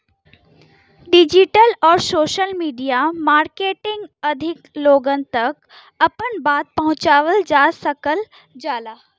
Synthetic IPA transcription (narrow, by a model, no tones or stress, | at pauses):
ɖid͡ʑiʈəlɔːɾsoːʃəlmiːɖijamaːɾkeːʈɪ̃ŋɡɐd̪ʱɪkloːɡən̆t̪ɐk | ɐpənbaːt̪̚pɐɦʊ̃t͡ɕaːʋəld͡ʒaːsəkəl | d͡ʒaːlaː